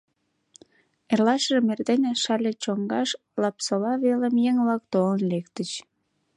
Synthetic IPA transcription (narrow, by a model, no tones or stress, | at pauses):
erlɑʃəʒemerd̪enʲeʃɑlʲet͡ɕoŋɡɑʃ | lɑpsəlɑβeləmjeŋβlɑkt̪olənlekt̪ət͡ɕ